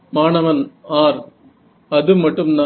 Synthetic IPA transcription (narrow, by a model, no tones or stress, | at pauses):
maːnɐʋɐnaːɾ | ɐðɯmːɐʈːɯmna